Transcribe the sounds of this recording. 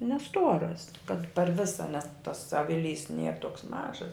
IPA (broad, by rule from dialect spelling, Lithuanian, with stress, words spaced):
nʲɛˈstuɔrɐs kɐt pɐr ˈʋʲɪsɐ nʲɛs tɐs ˈɑːʋʲɪˌlʲiːs ˈnʲiɛr ˈtoːks ˈmɑːʒɐs